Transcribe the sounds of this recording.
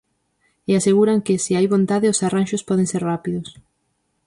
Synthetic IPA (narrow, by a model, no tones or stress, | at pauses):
easeɣuɾaŋkɪsiajβõnt̪aðɪosaranʃʊspɔð̞ẽŋseɾrapiðʊs